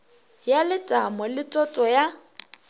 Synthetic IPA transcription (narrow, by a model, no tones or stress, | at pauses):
jalɪtʼamɔlɪtʼɔtʼɔja